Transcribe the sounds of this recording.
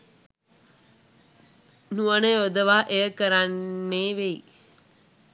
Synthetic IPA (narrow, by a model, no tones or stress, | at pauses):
nuəneod̪əʋaːʔejəkəɾanːeːʋei